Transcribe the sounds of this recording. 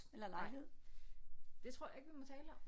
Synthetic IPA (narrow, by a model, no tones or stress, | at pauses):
elɐlɑ̈ɪɦe̝ð̞̰ˠ | d̥e̝t͡sʰʁo̝ɐ̰jɑ̈e̝ɡ̥ʋimɒ̽t͡sʰɛːləɒ̽m